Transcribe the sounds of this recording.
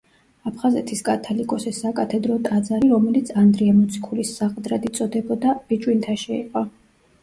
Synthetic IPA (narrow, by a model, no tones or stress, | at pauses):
apʰχazɛt̪ʰiskʼat̪ʰɔlikʼɔsɛsakʼat̪ʰɛd̪ɾɔt̪ʼad̪zaɾiɾɔmɛlit̪sʰand̪ɾiamɔt̪sʰi̥kʰulisːaqʼd̪ɾad̪it̪sʼɔd̪ɛbɔd̪ab̥it͡ʃʼwint̪ʰaʃɛḭqʼɔ